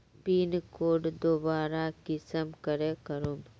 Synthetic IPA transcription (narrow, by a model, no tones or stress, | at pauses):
piːnkoːɖd̪oːbaːɾakɪsəmkəɾekəɾum